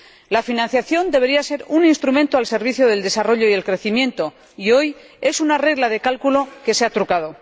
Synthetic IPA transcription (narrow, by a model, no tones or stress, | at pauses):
lafinãn̟θjaθjo̞nd̪eβe̞ɾiase̞ɾuninst̪ɾumẽnt̪oalse̞ɾβ̞iθjoð̞e̞ld̪e̞saro̞ʎo̞iðe̞lkɾe̞θimjẽ̞nt̪o̞ | io̞j | e̞sunare̞ɣlaðe̞kalkulo̞ke̞seat̪ɾukað̞o̞